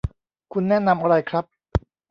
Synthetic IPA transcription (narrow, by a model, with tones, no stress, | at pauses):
kʰu˧nːɛː˦˥˨na˧mʔa˧ɾa˧jkʰɾa˦˥p̚